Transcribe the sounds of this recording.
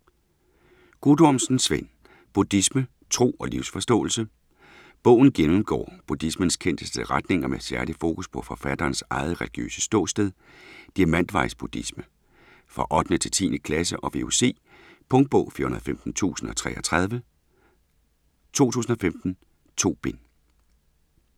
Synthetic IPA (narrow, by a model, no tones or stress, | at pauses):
ɡ̥ud̥ɒmsn̩sʋen̰ | b̥ud̥ismə | t͡sʰʁo̝̰ːɒ̽liʊsfɒ̽sd̥ɔ̰̽ːl̩sə | b̥ɔ̽ʊ̰n̩ɡ̥enm̩ɡ̥ɒ̰ːb̥ud̥ismənskʰen̰d̥əsd̥əʁad̥ne̝ŋɐmesæɐlifo̝ːkʰuspʰɒ̽fɒ̽fæd̥ɐːnsɑ̈ɪð̞̩ˠʁɛliɡ̥jø̰ːsə̥sd̥ɔ̰̽ːsd̥eð̞ˠ | d̥iɐmæn̰d̥ʋɑ̈ɪsb̥ud̥ismə | fʁɑ̈ʔɒ̽d̥nət͡sʰe̝lt͡sʰḭːnəkʰlæsəʔɒ̽ʋe̝use̝̰ː | pʰɔ̽ŋd̥̚b̥ɔ̽ʊfiːɐhunɐð̩ˠfemd̥n̩t͡sʰṵːsn̩ɒ̽t͡sʰʁɛ̰ːɐt͡sʰʁɑ̈ð̞ˠʋə | t͡sʰo̝̰ːt͡sʰṵːsn̩ɒ̽femd̥n̩ | t͡sʰo̝̰ːb̥e̝n